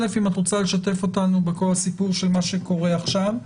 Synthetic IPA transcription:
le̞fimatʁot͡sale̞ʃate̞fo̞tanubeko̞lasipuʁʃe̞lmaʃe̞ko̞ʁeaχʃav

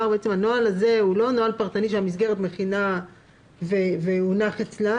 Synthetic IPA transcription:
aʁbeet͡se̞mhanoalaze̞ulo̞noalpaʁt̪aniʃeamisɡe̞ʁet̪me̞χina | veveunaχet͡sla

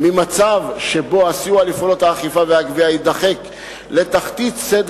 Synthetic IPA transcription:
mimat͡savʃe̞bo̞asjualifolo̞thaːχifaveaɡviaid̪aχe̞k | le̞t̪aχt̪it̪sed

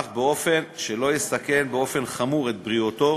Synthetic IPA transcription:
χbeo̞fe̞nʃelo̞jest̪ake̞nbeo̞fe̞nχamuʁet̪̚bʁiot̪o̞

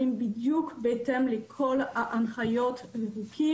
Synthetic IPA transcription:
imbid̪jukbet̪ɛmlekʰɔlaʔãnχajɔt̪veʁukʰi

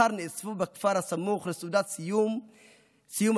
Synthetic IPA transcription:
aɾniʔsfubakfaɾhasamuχlesud̪at̪sijum | sijum

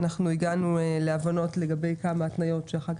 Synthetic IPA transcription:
naχnuiɡanueleavano̞tle̞ɡabe̞jkamaːtnajo̞tʃeaχak

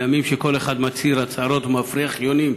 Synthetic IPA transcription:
jamimʃeko̞le̞χad̪mat͡siɾat͡saɾo̞t̪mafɾiaχjonim

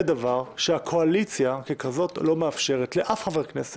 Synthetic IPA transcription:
edavaʁʃeakʰoalit͡sjakekazo̞tlo̞meafʃe̞ʁetleʔafχaveʁknese

